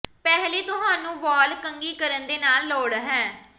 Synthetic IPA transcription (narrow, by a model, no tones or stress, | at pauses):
pɛːɦliːt̪ʊɦãːnũːʋɔːlkəŋɡiːkəɾənd̪eːnaːlːoːɽɦɛ̃ː